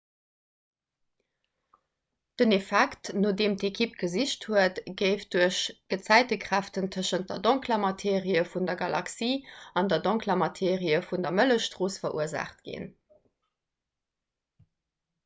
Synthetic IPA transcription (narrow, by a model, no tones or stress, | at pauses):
d̥ənefæktnoːdeːmtekʰip̚ɡ̥əziʃthuətɡ̥əɪft̚d̥uəɕɡ̥ət͡sæɪtəkʁ̥æftəntʰəʃənt̚d̥ɐ̰doŋklɐmɑtʰeːʁiəfundɐɡɑlɑ̰ksiːɑndɐdoŋklɐmɑtʰeːʁiəfundɐmələʃtʁ̥oːsfɐʔṵəɐza̰ːχt̚ɡ̥ḭn